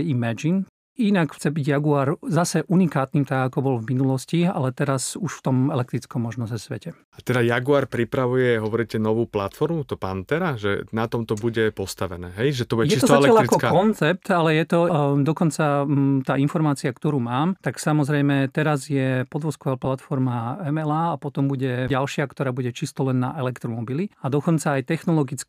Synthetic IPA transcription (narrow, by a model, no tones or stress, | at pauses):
imɛd͡ʒin | inakxt͡sɛbiɟjaɡuaːɾzasɛʔunikaːt̪niːmt̪aɡakɔbɔlvminulɔscia̰lɛt̪ɛɾasuʃft̪ɔmɛlɛk̚t̪ɾit͡skɔmːɔʒnɔzɛsʋɛ̰cɛ | at̪ɛd̪ajaɡuaːɾpɾipɾaʋujɛɦɔʋɔɾicɛnɔʋuːplat̪fɔɾmut̪ɔpa̰nt̪ɛɾaʒɛ̰nat̪ɔmt̪ɔbuɟɛpɔst̪aʋɛnɛːɦɛjʒɛt̪ɔbuɟɛjɛist̪ɔzaɛlɛaʎaɾikɔkaɔnt͡sɛp̚t̪alɛjɛt̪ɔd̪ɔkɔnt͡sat̪aːinfɔɾmaːt͡siakt̪ɔɾuːmaːmt̪aksamɔzɾɛjmɛt̪ɛɾazjɛpɔd̪ʋɔskɔʋaːplat̪fɔɾmaɛmɛlaːapɔt̪ɔmbuɟɛɟalʃɪakt̪ɔɾaːbuɟɛt͡ʃist̪ɔlɛnːa̰ʔɛlɛkt̪ɾɔmɔbiliad̪ɔkɔnt͡saːjt̪ɛxnɔlɔɡit͡sk